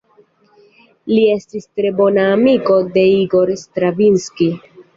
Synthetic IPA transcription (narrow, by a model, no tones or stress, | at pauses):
lie̞stistɾe̞bo̞naːmiko̞de̞iɡo̞ɾstɾavinski